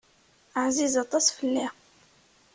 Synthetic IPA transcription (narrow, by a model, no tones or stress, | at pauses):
əʕzizɑt̪ˤɑsfəlːi